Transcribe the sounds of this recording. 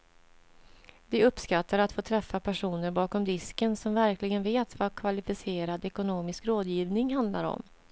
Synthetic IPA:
d̪ɛɵpːskat̪ːaɾat̪foːt̪ʰɾɛfːapʰæʂuːnəɾbɑːkɔmd̪ɪskənsɔmvæɾklɪɡənveːt̪vakʰvalɪfɪseːɾad̪ɛkʊnoːmɪskɾoːd̪jiːvnɪŋɦand̪laɾɔ̰m

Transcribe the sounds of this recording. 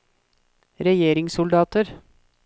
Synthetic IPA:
ɾɛjeːɾɪŋsʊld̪ɑːt̪əɾ

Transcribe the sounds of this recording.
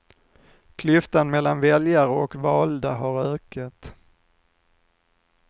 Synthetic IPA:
kʰlʏft̪anmɛlːanvɛljaɾəɔkvɑːld̪aɦaɾœːkat̪

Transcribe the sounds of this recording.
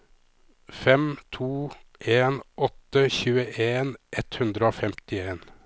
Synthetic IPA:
fɛmt̪ʰuːʔeːnʔɔt̪əçʉːəʔeːnʔɛt̪hʉnd̪ɾəoːfɛmt̪ɪeːn

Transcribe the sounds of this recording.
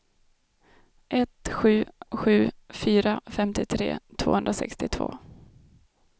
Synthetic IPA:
ʔɛt̪ɧʉ̟ːɧʉ̟ːfyːɾafɛmt̪ɪt̪ʰɾḛːt̪ʰvo̰ːhɵnd̪ɾasɛ̰kst̪ɪt̪ʰvo̰ː

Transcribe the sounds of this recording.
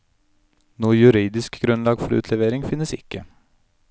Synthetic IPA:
nuːəjʉɾiːd̪ɪskɡɾʉnlɑːɡfɔɾʉ̰ːt̪ʰlɛʋeːɾɪŋfɪnːəsɪkːə

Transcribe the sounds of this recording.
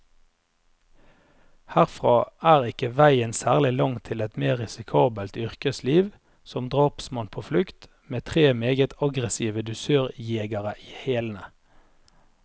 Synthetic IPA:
hæʁfʁɑːʔæːʁɪkəʋæɪənsæːʁlɪlɑŋt̪ʰɪlɛt̪meːʁɛsɪkʰɑːbəlt̪ʏʁkəsliːʋ | sɔmd̪ʁoːpsmɑnpʰoːflʉkt̪ | meːt̪ʰʁeːmeːɡət̪ʰɑɡʁəsiːʋəd̪ʉsøːʁjeːɡɑʁəʔiːheːln̩ə

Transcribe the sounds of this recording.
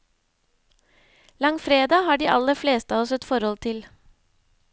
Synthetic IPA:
lɑŋfɾeːd̪ɑːhɑːɖiːʔɑləfleːst̪əɑːɔsɛt̪fɔɾhɔlt̪ʰɪl

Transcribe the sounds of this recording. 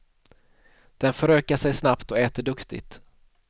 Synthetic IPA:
d̪̥ɛnfœɾøːkaʂɛjsnapt̪ɔɛːt̪əɖɵkt̪ɪ̰ɡt̪

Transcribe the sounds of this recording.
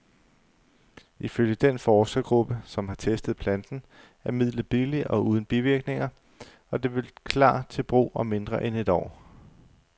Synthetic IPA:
ʔiføljəd̥enfɒːsɡ̥ɐɡ̥ʁub̥əsɒ̽mɦɑ̈t͡sʰesd̥ð̞̩ˠpʰlænd̥n̩ | æɐmið̰ˠlˠb̥iliʔɒ̽uːð̞ˠn̩b̥iʋiɐɡ̥ne̝ŋɐ | ɒ̽d̥e̝ʋe̝lkʰlɑ̰̈ːt͡sʰe̝lb̥ʁṵːɒ̽me̝nd̥ʁɐʔene̝d̥ɒ̰ː

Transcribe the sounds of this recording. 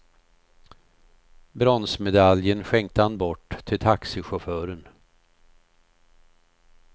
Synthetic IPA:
bɾɔnsmɛd̪aljənɧɛŋk̚t̪əhanbɔʈːt̪ʰːɪlt̪ʰaksɪɧʊfœːɾən

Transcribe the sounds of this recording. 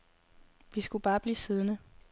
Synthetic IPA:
ʋisɡ̥ub̥ɑ̈ːb̥liːsiðˠnə

